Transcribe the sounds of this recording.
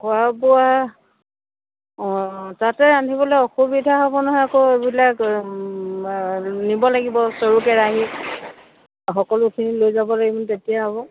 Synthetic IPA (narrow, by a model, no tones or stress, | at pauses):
kʊabɔa | tatɛantʰibɔlɔjɔxubidʱaɦɔbɔnɔɦɔjakoebilak | nibɔlaɡibɔsoɹukɛɹaɦi | xɔkɔlʊkʰinilojzabɔlaɡimɔntetijaɦɔbɔ